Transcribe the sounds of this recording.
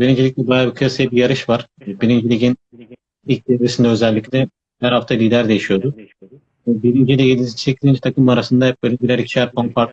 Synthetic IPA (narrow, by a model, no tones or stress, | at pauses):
biɾind͡ʒilʲic̚ʲlʲɛb̪ajabikʰɯjasɯjabijaɾɯʃvaɾ̥biɾind͡ʒilʲiɟin | ilʲc̚d̪eɾesind̪ɛøzɛlʲːiclʲɛ | hæɾhaft̪ʰalʲiːd̪æɾd̪ejiʃijo̞d̪u | vɛbiɾind͡ʒilʲijid̪iit͡ʃʰlʲiciind͡ʒit̪ʰakʰɯmaɾasɯnd̪aɛp̚bølʲid͡ʒilʲɛɾicʃæɾpʰonfaɾt̪